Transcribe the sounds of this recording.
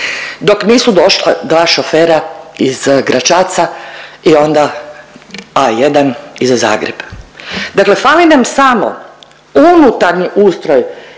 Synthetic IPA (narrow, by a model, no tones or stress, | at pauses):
d̪o̞kniːsud̪o̞ʃla̰d̪ʋaːʃofeːɾaiz̥ɡɾat͡ʃat̪saio̞nd̪a | ajed̪anizaza̰ːɡɾḛb̥d̪akle̞falinamsamo̰ | unut̪aɾniʔuːst̪ɾoj